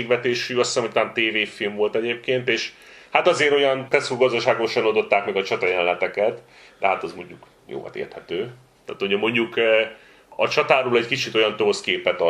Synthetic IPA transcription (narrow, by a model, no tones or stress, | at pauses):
eɡʋɛt̪eːʃyɒsɛmut̪aːnt̪eːveːfilmvo̞lt̪ɛɟeːp̚keːnt̪eːʃ | hat̪ɒzeːɾo̞jɒnt̪ɛsuɡɒzd̪ɒʃaːɡo̞ʃɒnod̪ot̪ːaːkmɛɡɒt͡ʃɒt̪ɒjɛllɛt̪ɛkɛt̪ | d̪ɛɦat̪ɒzmo̞ɲɟuk | jo̰ːvɒ̰t̪ḛːrt̪hɛt̪øː | t̪a̰ːt̪oɟɛmo̞ɲɟuk | ɒt͡ʃɒt̪aːɾoːlɛɟkit͡ʃit̪o̞jɒnt̪oːskeːpɛt̪ɒ